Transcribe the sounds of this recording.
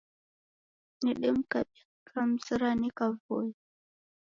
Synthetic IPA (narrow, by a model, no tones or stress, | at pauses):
niɗim̩kaɓikam̩siɾanikavoi